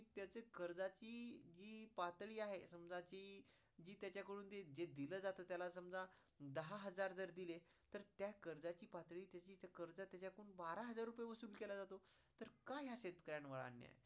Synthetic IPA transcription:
it̪jat͡sekəɾd͡zat͡ɕiːd͡ʑiːpat̪ɭiːaɦesəmd͡zat͡ɕiː | d͡ʑiːt̪jat͡ɕjakəɽuːnt̪ed͡ʑed̪iləːd͡zat̪ət̪jalasəmd͡za | d̪əɦaɦəd͡zaɾd͡zəɾd̪ilet̪əɾt̪jakəɾd͡zat͡ɕiːpat̪ɭiːt̪jat͡ɕiːt̪akəɾd͡zat̪jat͡ɕakəɾuːnbaɾaɦəd͡zaɾːupəjeʋəsuːlkelad͡zat̪ot̪əɾkaɦjaɕet̪kəɾjanʋəɭa̰nːja̰ḛ

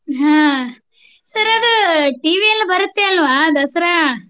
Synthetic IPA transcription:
ɦãː | sɐɾɐd̪uʈiːʋiɐnːɐbɐɾut̪ːeɐlːɐʋaːd̪ɐsɐɾa

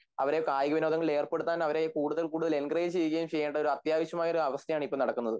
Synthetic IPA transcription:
ɐ̰ʋɐɾekaːjɣɐʋino̞ːðɐŋːɐɭe̞ːrpe̞ɽut̪ːaːnɐʋɐɾe̞kuːɽuðɐɭkuːɽuðɐle̞nɡrɐɣit͡ɕe̞jik̬ʲːɐjumt͡ɕe̞jːeːɳɖɐo̞ɾuɐt̪jaːʋiɕɐmaːjoɾuɐʋɐst̪ʰjɐjaːɳɨipːomnɐɽɐkːunːɐðɨ

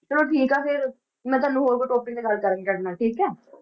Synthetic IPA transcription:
t͡ʃəloːʈʰiːkaːfɪɾ | mɛ̃ːt̪̬waːnːũːɦoːɾkoːʈoːpʈɪ̃t̪eːɡəlkəɾniːkəɾnaːʈʰiːkɛː

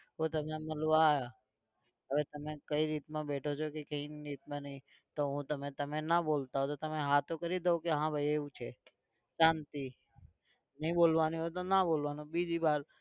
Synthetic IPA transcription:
ɦot̪əmneməlʋaːja | ɦəʋet̪əmekəiɾit̪mãbeʈʰot͡ʃʰokekəinɾit̪mãnəɦĩ | t̪oɦũt̪əmẽt̪əmenabolt̪aɦot̪ot̪əmeɦat̪okəɾid̪əokeɦãbʱəieʋũt͡ʃʰe | ʃãnt̪i | nəɦĩbolʋanĩɦot̪onabolʋanũbid͡ʒibaɾ

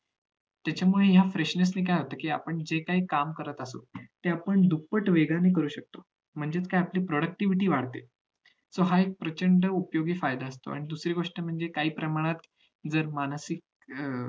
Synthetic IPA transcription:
t̪jat͡ɕjamuɭejafɾeʂnes̬niːk̬ajɦot̪əːkiːa̰pəɳd͡ʑekaɦiːkamkəɾət̪əso̰t̪eapəɳd̪upəʈʋeɡanek̬əɾuːɕək̚t̪o | m̤əɳd͡zet͡skajiapliːpɾɔɽək̚ʈiʋiʈiːʋaɽ̤t̪e | soɦaek̚pɾət͡ɕəɳɖəupjoɡiːfajd̪aəst̪o̰a̰ɽ̃id̪usɾiːɡoʂʈəm̤əɳd͡zekaɦiːpɾəmaɽ̃at̪ | d͡zəɾmansik̚

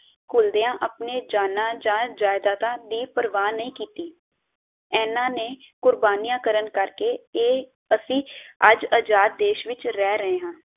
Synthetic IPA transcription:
kʊld̪eãːʔəpneːd͡ʒaːnãːd͡ʒãːd͡ʒaːɪd̪aːt̪ãːd̪iːpəɾʋaːnːəĩːkiːt̪iː | ɛːnãːneːkʊɾbaːniːãːkəɾənkəɾkeːeː | əsĩːəd͡ʒəd͡ʒaːt̪̚d̪eːʃʋɪt͡ʃɾɛːɾəɦeːɦãː

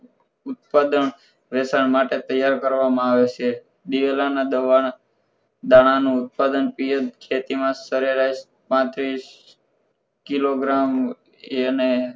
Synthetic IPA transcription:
ʊt̪̚pad̪əɳ | ʋesaɳmaʈet̪əjːaɾkəɾʋamãaʋet͡ʃʰe | d̪iʋelanad̪əʋa | d̪aɽ̃anũʊt̪̚pad̪ənpijəd̪̚kʰet̪imãsəɾeɾas | pãt̪ɾis | kiloɡɾam | ene

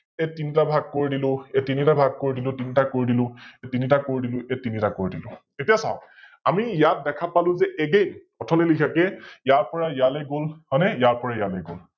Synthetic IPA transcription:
ɛtinitabʱaɡ̚koɹidilʊ̃ɛtinitabʱaɡ̚koɹidilʊ̃tinitakoɹidilʊ̃etinitakoɹidilʊ̃ɛtinitakoɹidilʊ̰̃ | etijasa̰ʊ | amijat̚dɛkʰapalʊ̃zɛʔɛɡejn | ɔtʰɔnilikʰakɛjaɹpɔɹajalɛɡolhɔnɛjaɹpɔɹajalɛɡo̰l

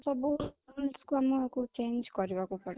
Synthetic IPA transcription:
tɔboɦualskuamɔekut͡ʃend͡ʒkɔɾibakupɔɽi

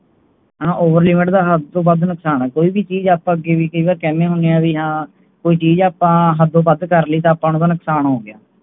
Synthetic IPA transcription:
ɦənãːʔoːʋəɾlɪmɪʈd̪aːɦəd̪̚õːbəd̪nəksaːnɛːkoːiːbiːt͡ʃiːd͡ʒaːpãːəɡeːʋiːkəiːbaːɾkɛːnẽːɦʊneaːʋiːɦãː | koːiːt͡ʃiːd͡ʒaːpãːɦəd̪õːbəd̪kəɾliːt̪ãːpãːnũːt̪aːnəksaːnɦoːɡɪjaː

